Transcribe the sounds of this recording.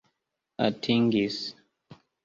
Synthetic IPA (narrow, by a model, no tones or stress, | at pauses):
a̰tʰiŋɡis